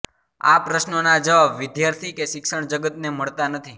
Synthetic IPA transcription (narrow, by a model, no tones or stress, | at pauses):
a̰pɾəʃnonad͡ʒəʋabʋɪd̪jaɾt̪ʰikeʃɪkʃəɳ̃d͡ʒəɡət̪neməɭt̪anət̪ʰi